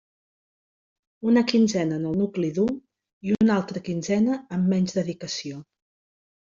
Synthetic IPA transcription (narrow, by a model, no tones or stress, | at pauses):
unəkinzɛnəːnəlˠnukliðum | iunalˠt̪ɾəkinzɛnəːmːɛɲzðəðikəsio